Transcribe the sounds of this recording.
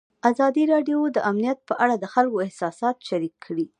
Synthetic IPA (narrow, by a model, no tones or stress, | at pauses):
azɑd̪iɾɑɖjod̪əʔamnijat̪̚pəʔaɽad̪əxalkoɪhsɑsɑt̪ʃaɾikʰːɽi